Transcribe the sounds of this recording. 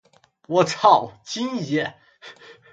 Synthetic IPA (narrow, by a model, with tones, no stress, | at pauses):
wɔ˨˥ʈ͡ʂʰɑ˥˨˩ʊt͡ɕi˥njɛ˧˥˦